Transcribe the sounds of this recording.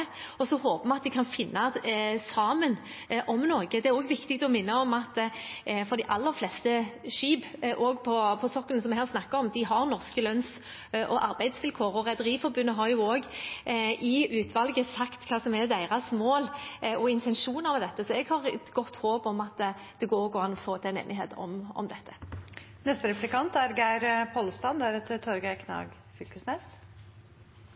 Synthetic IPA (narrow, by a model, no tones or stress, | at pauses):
ɔsɔhoːpəmɛɑt̪d̪ɪkʰɑnfɪnːɑsɑːmənʔɔmnoːɡəd̪ɛæɾoːɡʋɪkt̪ɪkt̪ɔmɪnːɑɔmɑt̪ː | fɔɾd̪ɪʔɑlːəɾflɛst̪əʃiːbʔɔɡpʰɔpʰɔsɔkːənsɔmɛhæːʁsnɑkːɑɔmd̪ɪɦɑɾnɔɾskəlœns | ʔɔʔɑɾbæɪd̪sʋɪlkʰoːɾɔɾɛd̪əɾiːfɔɾbʉnːəɦɑɾjʊoːɡ | ʔɪʉːt̪ʰʋɑlɡəsɑkt̪kʰɑːsɔmɛd̪æɪʁɑsmoːlʔɔɪnt̪ʰɛnʃuːnɑʁmɛd̪ɛt̪ːəsɔɛɡhɑʁɛt̪ɡɔt̪ːhoːpɔmɑt̪ | d̪̥ɛɡoːɾɡɔɑnɔfoːt̪ʰɛnḛːnɪɦḛːt̪ɔ̰mɔ̰md̪ɛt̪ʰːə̥ | nɛst̪əɾɛplɪkɑnt̪æɾɡæɪɾpʰɔlst̪ɑnd̪æɾɛt̪t̪ʰːɔɾɡɑkʰnɑ̰ːɡ | fʏlkəsnɛːs